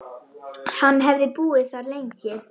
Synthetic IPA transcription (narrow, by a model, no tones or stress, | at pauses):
hanːɦɛvðɪpuːɪθaɾlejɲcɪ